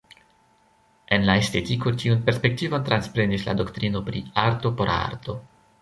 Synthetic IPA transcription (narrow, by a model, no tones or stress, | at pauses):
e̞nlae̞ste̞tiko̞tiunpe̞ɾspe̞k̚tivo̞nt̪ɾanspɾe̞nisla̰do̞ktɾino̞pɾiaɾto̞po̞ɾʔa̰ɾto̞